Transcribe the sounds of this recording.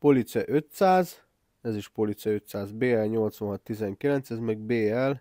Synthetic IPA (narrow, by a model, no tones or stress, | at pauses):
polit̪sɛʔøt̪saːz | ɛziʃpolit̪sɛøt̪saːzbeːɛlɲo̞lt̪sʋɒnɦɒt̪ːizɛŋkilɛnsɛzmɛɡ̚beːɛl